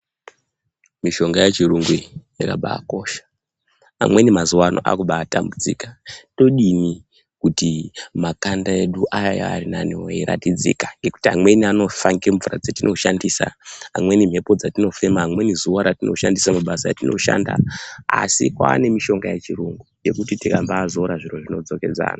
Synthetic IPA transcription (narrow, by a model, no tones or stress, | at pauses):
miʃo̞ŋɡajet͡ʃiruŋɡujakaɓa̰ːko̞ːʃḁ | a̰mwe̞nimazuwanʔo̞̰ʔa̰kuɓaːtambud͡zḭkḁto̞ɗini | kutimakandae̞ɗuʔajaja̰a̰rinaniwojiɾa̰tid͡zḭkaŋɡe̞ku̥tiɦamwe̞niano̞faŋɡeɱvurad͡zatinʔo̞ʃandisa̰ɦamwe̞nim̤ʱe̞po̞d͡zatino̞fe̞maɦːmwe̞nizuwaɾatino̞̰ʃandisamaɓasajatino̞̰ʃa̰nda̰a̰sikwa̰ːne̞miʃo̞ŋɡajet͡ʃiruŋɡuje̞kutitikambaːzoɾaʐiro̞ʐino̞d͡zo̞ke̞d͡za̰ːna